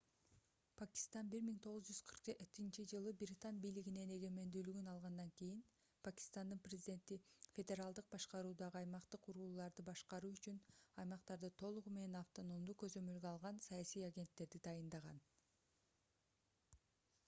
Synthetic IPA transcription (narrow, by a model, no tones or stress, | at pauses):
pʰakʲi̥st̪ɑnbiɾmiŋt̪ʰo̞ʁuzd͡ʒyz̥qʰɯɾqet̪int͡ʃid͡ʒɯlˠɯbiɾʲit̪anbijliɡine̞ne̞ɡe̞me̞nd̪yːlyɡynɑlˠʁɑnd̪ɑŋkijin | pʰakʲi̥st̪and̪ɯnprʲezʲɪdʲe̞nt̪ifʲe̞dʲe̞ɾalˠd̪ɯq̚bɑʃqɑɾuːd̪ɑʁɯɑjmɑqt̪ɯquɾuːlˠɑɾd̪ɯbɑʃqɑɾuːyt͡ʃynɑjmɑqt̪ɑɾd̪ɯt̪ʰo̞lˠuʁume̞ne̞nɑft̪o̞no̞md̪ukø̞zømø̞lɡøɑlˠʁɑnsɑjɑsijaɡʲe̞nt̪ːe̞ɾd̪id̪ɑjɯnd̪ɑʁɑ̰n